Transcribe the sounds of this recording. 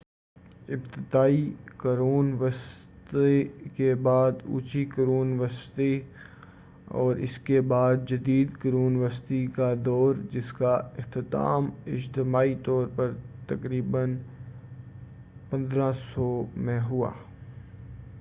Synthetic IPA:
ɪbt̪ɪd̪aːikɐɾuːnʋɐst̪ekebaːd̪ṵːt͡ʃikɐɾuːnʋɐst̪e | ɔ̰ːɾɪ̰skebaːd̪̚d͡ʒɐd̪iːd̪kɐɾuːnʋɐst̪ikad̪ɔːɾd͡ʒɪskaɪxt̪ɪt̪a̰ːmɪd͡ʒt̪ɪmaːit̪ɔːɾpɐɾt̪ɐkɾiːbən | pɐ̃nd̪ɾãsɔmẽɦua̰ː

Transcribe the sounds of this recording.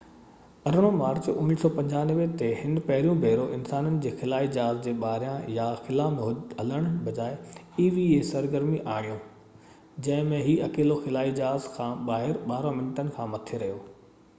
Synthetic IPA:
ɐɾɽ̃omaːɾt͡ɕʊnisɔːpɐ̃ɲd͡ʑaːnʋet̪eɦɪn̆pɐɦɪɾijũbʱeːɾoʔɪnsaːnənɪ̆d͡ʑeːxɪlaːid͡ʑaːzd͡ʑeːɓaːɾjãjaxɪlãmɦɐləɽ̃bɐd͡ʑaːe | iːʋiesɐɾɡəɾmiʔaːɽ̃ijõ | d͡ʑɐ̃ɦɪ̃mẽɦiːɐkeːloxɪlaːid͡ʑaːzkʰãːɓaːɦɪɾɓaːɾõmɪnʈənɪ̆kʰãːmɐt̪ʰeɾɐɦijoː

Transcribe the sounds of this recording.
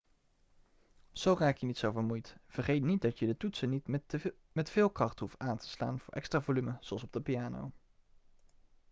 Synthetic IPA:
z̥owraːkjənitsowvəɹmujtv̥əɹχejtnit̚dɑtjədətutsənit | mɛtfɪːlˠkrɑχtɦuftaːntʰə̥sla̰ːnv̥ʊːɹʔɛ̰kstraːvolyməz̥oɑlˠsɔb̚dəpijaːno̰w

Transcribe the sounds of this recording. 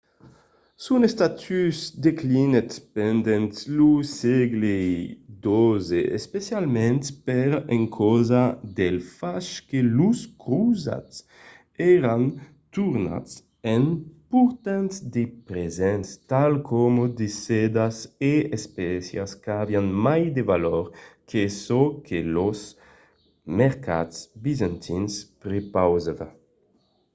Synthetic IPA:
sunest̪at̪ʰysd̪eklinet̪pɛnd̪ɛnt̪luseɡled̪ozeʔespesjalmɛ̃nt̪pɛɾeŋkʰɔzad̪elfaʃkeluskɾuza̰t̪s | ɛɾan | t̪uɾna̰ts | ɛnpuɾt̪ansd̪epɾezɛnst̪alkʰɔmod̪esɛd̪aseespɛsja̰skavjanmajd̪evalɔɾkʰesokʰelos | mɛʁka̰tsbizãnt̪ʰinspɾepawzava

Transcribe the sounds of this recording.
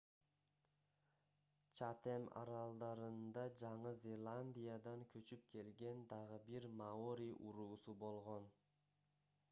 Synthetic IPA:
t͡ʃʰat̪emɑ̰ɾɑlˠd̪ɑɾɯnd̪ɑd͡ʒɑɴɯzʲelˠanʲd̪ʲijad̪ɑŋkʲʰɵt͡ʃyp̚kʲʰe̞lɡʲe̞nd̪ɑʁəbiɾmaoɾʲijʔuɾuːsubo̞lˠʁon

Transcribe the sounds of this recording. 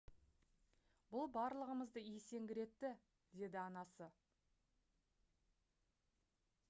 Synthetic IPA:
bʊlˠbɑɾlˠəʁəməzd̪əijse̞ŋɡʲɪɾe̞t̪ːɪ | d̪e̞d̪ɪɑnɑsə

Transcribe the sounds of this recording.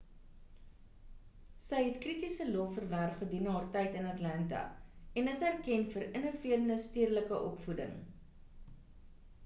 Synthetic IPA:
səjɦɛtkritisəlɔfərværχχədinɦɑːrtɛjtənɐtlɐntɐ̰ɛnəsærkɛnfəɾənofiərənəstiərləkəʔɔpfudə̰ŋ

